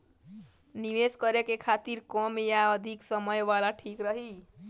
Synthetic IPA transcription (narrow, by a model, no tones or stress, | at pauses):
niʋeskəɾekekʰat̪iɾkɔmjaəd̪ʱiksəməjʋalaʈʰikɾəɦi